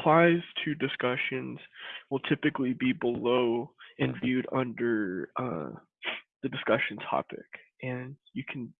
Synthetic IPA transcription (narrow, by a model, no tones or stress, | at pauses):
pʰl̥aɪz̥tʰɨdɨskʌʃɨ̃nz̥wəlˠtʰɪpɨklibibəloʊɨ̃nvjʉɾʌ̃ndə˞ʌ̰ | ðɨdɨskʌʃɨ̃n̩tʰɑ̰pɪ̰kʔɨ̃njɨkʰn̩